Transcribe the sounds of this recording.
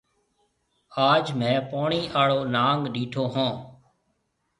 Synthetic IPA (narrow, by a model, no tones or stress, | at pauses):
aːd͡ʒmɛ̃ːpoːɳiːʔaːɭoːnaːŋɡɗiːʈʰoːɦãː